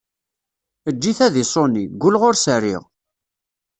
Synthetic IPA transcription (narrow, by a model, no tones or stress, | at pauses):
əd͡ʒːiθæðisˤoniɡʷːʊlʁoɾsərːɪ̰ʁ